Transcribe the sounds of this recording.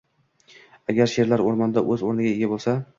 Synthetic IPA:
aɡʲaɾʃe̞ɾlaɾoɾmɒnd̪aʔɵzoɾnɪɡʲaeɡʲabolˠsa

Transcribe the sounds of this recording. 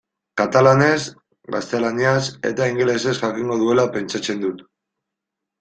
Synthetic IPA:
kat̪alane̞s | ɡa̰st̪e̞laniase̞̰t̪aiŋɡe̞le̞se̞sʝakiŋɡo̞ð̞ue̞lape̞nt͡ʃat͡se̞nd̪ut̪

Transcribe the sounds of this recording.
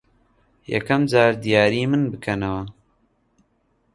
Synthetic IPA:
jɛ̰kɐmd͡ʒaːɾd̪ijaːɾiːmɨnbɨkʰɐnɐwɐ

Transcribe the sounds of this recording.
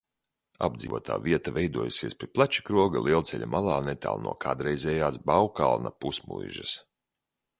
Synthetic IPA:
a̰b̚d̪zʲḭːvṵɔt̪ʰa̰ːviɛt̪avɛjd̪uɔjusiɛspʲiɛplˠat͡ʃi̥kɾuɔɡalʔiɛlˠt̪sɛʎʲamʔalˠaːnɛt̪a̰ːlˠnʔṵɔkaːd̪ɾɛjzɛːjaːsbawka̰lˠna̰pusmṵjʒɐs

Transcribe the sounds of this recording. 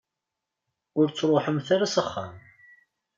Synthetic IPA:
ʊɾt͡sːɾˤoħəmθaɾasəχːa̰m

